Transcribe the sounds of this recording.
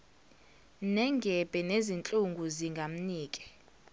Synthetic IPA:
nɛŋɡʱɛb̥ʱʼɛnezint͡ɬʼuŋɡʱuziŋɡʱam̩niːkʼɛ̥

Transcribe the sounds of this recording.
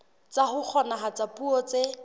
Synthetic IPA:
t͡sahʊk͡xʰɔnaɦat͡sapʼuɔt͡se

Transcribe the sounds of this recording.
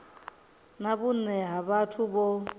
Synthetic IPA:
naβunɛɦaβatʰubɔ

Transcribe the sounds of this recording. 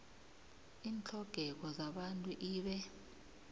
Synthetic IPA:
iːnt͡ɬʰɔɡ̥ʱɛk̬ɔzaɓantʼuʔiːɓɛ

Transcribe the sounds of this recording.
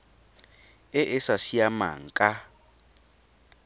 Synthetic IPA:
ɛʔɪsasiama̰ŋ̩kʼa

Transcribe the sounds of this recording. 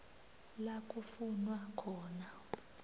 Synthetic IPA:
lakʼufunwakʰɔːna

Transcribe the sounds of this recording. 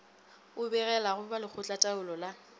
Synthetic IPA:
ʊbɛɣɛlaɣʊbalɪk͡xʰʊt͡ɬʼatʼaʊlɔla

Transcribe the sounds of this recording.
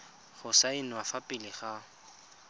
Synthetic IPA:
χʊsaɪnwafapʼɪlɪχa

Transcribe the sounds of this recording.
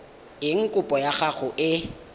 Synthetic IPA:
ɪŋ̩kʼʊpʼɔjaχaɣʊʔɪ

